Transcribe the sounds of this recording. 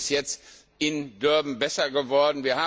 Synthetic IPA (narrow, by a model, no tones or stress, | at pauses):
sjɛt͡st | ʔɪndœɐbm̩bɛsɐɡəvɔɐdn̩viːɐhaː